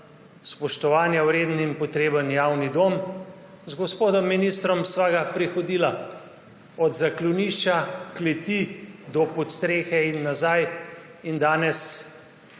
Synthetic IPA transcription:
spɔʃt̪ɔʋaːnjawɾeːd̪nimpɔt̪ɾeːbənjaːwnid̪om | zɡɔspoːd̪ɔmːinist̪ɾɔmsʋaɡapɾixɔd̪iːla | ɔd̪zakluniːʃt͡ʃaklɛt̪id̪ɔpɔt̪st̪ɾeːxɛinːazaj | ind̪aːnɛs

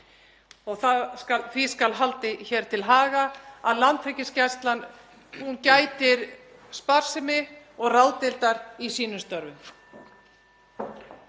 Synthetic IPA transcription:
ɔɣθakaθviskalɦalt̪ɪçɛɾ̥t̪ʰɪlɦaːɣaaðlant̪ʰfɛcɪscɛst̪lan | uncaːjt̪ɪɾ | spaɾ̥sɪmɪ | ɔɣraːwt̪ɪlt̪aɾisiːnʏst̪œɾvʏ

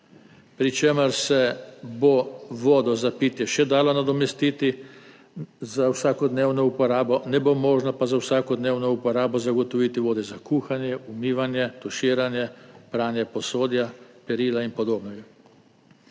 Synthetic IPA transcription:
pɾit͡ʃeːməɾsɛboʋoːd̪ɔzapit̪jɛʃɛd̪aːlɔnad̪ɔmɛst̪iːt̪i | zawsaːkɔd̪neːwnɔupɔɾaːbɔnɛbomɔːʒnɔpazawsaːkɔd̪neːwnɔupɔɾaːbɔzaɡɔt̪ɔʋiːt̪iʋoːd̪ɛzakuːxanjɛʔumiːʋanjɛt̪ɔʃiːɾanjɛpɾaːnjɛpɔsoːd̪japɛɾiːlainpɔd̪oːbnɔɡa

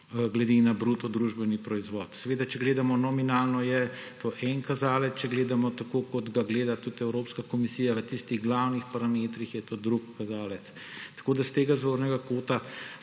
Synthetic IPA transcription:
ɡlɛd̪enabɾut̪ɔd̪ɾuʒbɛnipɾɔizʋɔt̪sɛʋeːd̪at͡ʃɛɡleːd̪amɔnɔminaːlnɔjɛt̪oːʔɛnkazaːlɛt̪t͡ʃɛɡleːd̪amɔt̪akokɔt̪ɡaɡleːd̪at̪ut̪ɛwɾoːpskakɔmisiːjaʋət̪ist̪iɣɡlawnixpaɾameːt̪ɾixjɛt̪od̪ɾukːazaːlɛt̪s | t̪ɐ̥koːd̪ast̪eːɡazʋoːɾnɛɡakoːt̪a

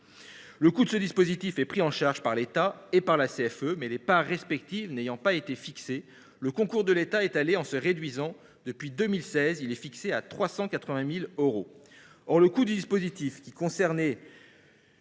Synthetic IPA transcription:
ləkud̪əsəd̪ispozit̪ifɛpχiɑ̃ʃaʁʒpaʁlet̪aepaʁlaseɛfømɛlepaʁːɛspɛkt̪ivnejɑ̃paet̪efikse | ləkɔ̃kuʁd̪əlet̪aɛt̪aleɑ̃səʁed̪ɥizɑ̃ | d̪əpɥid̪əmilsɛzilɛfikseat̪χwasɑ̃kat̪χəvɛ̃miløʁo | ɔʁləkud̪yd̪ispozit̪ifkʲikɔ̃sɛʁnɛ

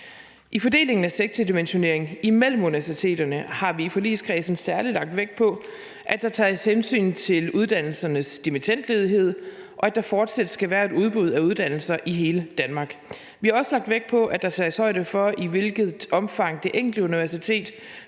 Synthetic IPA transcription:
ʔifɒ̽d̥e̝̰ːle̝ŋn̩æseɡ̥̚t͡sʰid̥imenɕo̝ne̝ɐ̰e̝ŋimel̰m̩uniʋæɐs̬it͡sʰe̝̰ːd̥ɐnəhɑ̈ʋiːfɒlḭːskʰʁɛːsn̩sæɐlilɑ̈ɡ̥̚d̥ʋeɡ̥̚pʰɒ̽ | ʔæd̥ɑ̈t͡sʰɛːshensy̰ːnt͡sʰe̝luð̞ˠd̥æn̰l̩sɐnəsd̥imit͡sʰen̰d̥le̝ːð̞ˠiɦe̝ð̞̰ˠ | ʔɒ̽æd̥ɑ̈fɒːd̥sæd̥əsɡ̥æʋæːɐe̝ɾuð̞ˠb̥uð̞̰ˠæuð̞ˠd̥æn̰l̩sɐʔiɦe̝ːləd̥ænmɑ̈ːɡ̥ | ʋihɑ̈ɒ̽səlɑ̈ɡ̥̚d̥ʋeɡ̥̚pʰɒ̽ʔæd̥ɑ̈t͡sʰɑːshɒ̽ɪ̰ɾəfɒ̽iʋe̝lɡ̥ð̞̩ˠɒ̽mfɑ̈ŋ̰d̥e̝ʔeŋ̰liuniʋæɐsit͡sʰe̝̰ːd̥

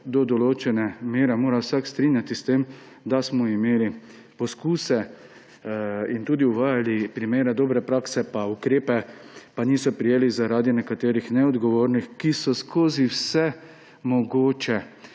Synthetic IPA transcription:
d̪ɔd̪ɔloːt͡ʃɛnɛmeːɾɛmoːɾawsakst̪ɾinjat̪ist̪em | d̪asmɔimeːli | pɔskuːsɛ | int̪uːd̪iuʋaːjalipɾimeːɾɛd̪oːbɾɛpɾaːksɛpaukɾeːpɛ | paniːsɔpɾijeːlizaɾaːd̪inɛkat̪eːɾixnɛɔd̪ɡɔʋoːɾnixkisɔskʰoːziwsɛ | mɔɡoːt͡ʃɛ

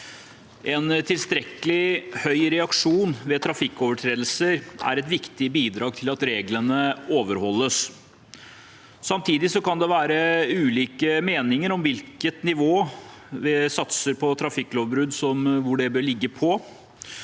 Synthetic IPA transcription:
ʔɛnt̪ʰɪlst̪ɾɛkəlɪhœʏɾɛɑkʂuːnʋɛt̪ʰɾɑfɪkːoːʋəʈʰɾeːd̪l̩səɾʔæ̰ɾɛt̪ʋɪkt̪ɪbiːd̪ɾɑːɡ̚t̪ʰɪlɑt̪ɾeːɡlənəoːʋəɾhɔlːəs | sɑmt̪ʰiːd̪ɪsɔkɑnd̪ɛʋæːɾəʉːliːkəmeːnɪŋəɾɔmʋɪlkət̪nɪʋoː | ʋɪsɑt̪səɾpʰɔt̪ʰɾɑfɪkːloːʋbɾʉd̪sɔmʋʊɖɛbøːɭɪɡːəpʰɔ

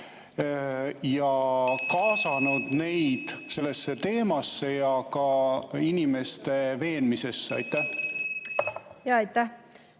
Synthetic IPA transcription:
jɑkɑːsɑnud̪̥ne̞jd̪̥se̞lːe̞sːe̞t̪e̞ːmɑsːe̞jɑkɑinime̞st̪e̞ve̞ːnmise̞sːeɑ̰jt̪ːˑæh | jɑɑjt̪ːæh

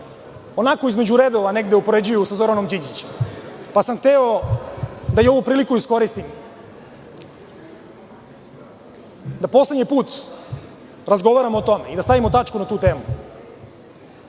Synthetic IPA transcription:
o̞nako̞izme̞d͡ʑuɾed̪o̞ʋane̞ɡd̪eopo̞ɾe̞d͡ʑujusazo̞ɾano̞md͡ʑiɲd͡ʑit͡ɕempasamxt̪eo | d̪ajeo̞ʋupɾiːlikuisko̞ɾist̪im | d̪apo̞sle̞dɲipuːt̪ | ɾazɡo̞ʋaɾamoːt̪o̞meid̪ast̪aʋimot̪at͡ʂkunat̪uːt̪e̞ːmu

